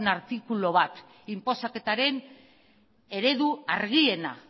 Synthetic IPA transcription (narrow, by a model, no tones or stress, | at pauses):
naɾt̪ikulo̞β̞at̪ | impo̞sake̞t̪aɾe̞n | e̞ɾe̞ðuaɾɣie̞na̰